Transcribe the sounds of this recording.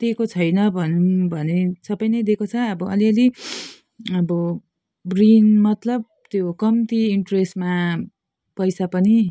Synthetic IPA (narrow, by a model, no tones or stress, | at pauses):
t̪ekot͡sʰʌjnʌbʱʌnubʱʌnesʌpʌjnʌjd̪ekot͡sʰʌʌbʌʌliʌli | ʌbʌ | brinmʌt̪lʌb̚ | t̪jokʌmt̪iːɳʈresma | pʌjsapʌni